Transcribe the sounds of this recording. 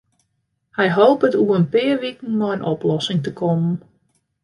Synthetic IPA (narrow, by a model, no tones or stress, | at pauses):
hɛjɦoːpətuəənpɪərʋikn̩mɔjənʔɔplɔsɪŋtəkʰɔmən̩